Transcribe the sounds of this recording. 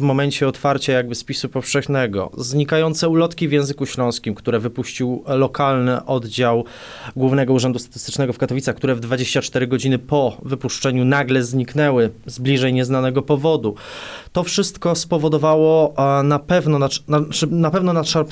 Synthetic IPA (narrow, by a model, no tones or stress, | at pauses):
vmɔmɛɲt͡ɕɛɔt̪faɾt͡ɕajaɡ̚bɘspʲisupɔfʂɛxnɛɡɔ̰zɲikajɔnt̪sɛulɔt̪kʲivjɛ̃w̃zɘkuɕlɔ̃w̃skʲimkt̪uɾɛvɘpuɕt͡ɕiwlɔkʰalnɘʔɔd̪d͡ʑaw | ɡwuvnɛɡɔuʐɛnd̪ust̪ḁt̪ɘ̥st̪ɘ̥t͡ʂnɛɡɔfkat̪ɔvʲit̪saxkt̪uɾɛvd̪vad͡ʑeɕt͡ɕat͡ʂt̪ɛɾɘɡɔd͡ʑinɘpɔvɘpuʂt͡ʂɛɲunaɡlɛzɲiknɛwɘzblʲiʐɛjɲɛznanɛɡɔpɔvɔd̪ut̪ɔfʂɘst̪kɔspɔvɔd̪ɔvawɔnapɛvnɔnaanapɛvnɔnaʂaɾp